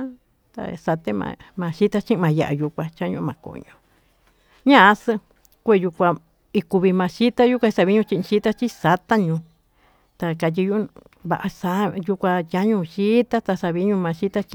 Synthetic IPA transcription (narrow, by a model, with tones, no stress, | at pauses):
t̪a̰˧sa˧t̪e˦mã̰˧mã˧ʃi˦t̪a˦t͡ʃĩ˦˧mã˨˧ja˨ʔa˧ju˧kʷã˧t͡ʃa˦ɲṵ̃˧mã˧˨ko̰˨ɲõ˧ | ɲã˦˨a˧sɨ˧ | kʷe˦˧˨ju˧kʷa˧ | i˧ku˧βi˧mã˧ʃi˦t̪a˦ju˦kʷã˧i˧sa˧βi˦ɲũ˧t͡ʃĩ˧ĩ˧ʃi˦t̪a˦t͡ʃi˦sa˧t̪a˦ɲũ˧ | t̪a˧ka˨˧t̬i˧ju˦ | βa˧ʔa˧sa˧ju˧kʷa˧ja˦ɲũ˧ʃi˦t̪a˦t̪a˧sa˧βi˧˦ɲũ˧mã˧ʃi˦t̪a˦t͡ʃ